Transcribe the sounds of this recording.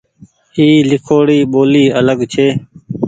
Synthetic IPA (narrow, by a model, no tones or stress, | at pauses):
iːlɪkʰoːɽiːɓoːliːələɡt͡ʃʰeː